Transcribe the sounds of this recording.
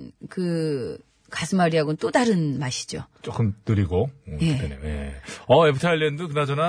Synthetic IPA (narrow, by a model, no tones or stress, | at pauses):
kɯ | kasʰɯmaɾiɦaɡont͈odaɾɯnmaɕʰi̥d͡ʑot͡ɕ͈ok͈ɯmt͈ɯɾiɡojeɯtʰenimjḛʌepʰɯtʰaʎːiendɯkɯnad͡ʑʌna